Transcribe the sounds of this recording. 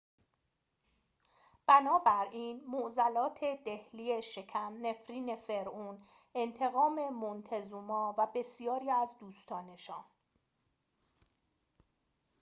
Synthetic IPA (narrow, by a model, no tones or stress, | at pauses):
b̥ænɒːbæɾiːnmoʔzælɒːt̪ʰe̞d̪ehliːeʃe̞cʰæmne̞fɾiːne̞fe̞ɾʔuːn | e̞nt̪ʰe̞ɣɒːme̞mont̪ʰezuːmɒːvæbe̞sijɒːɾiːæzd̪uːst̪ʰɒːne̞ʃɒːn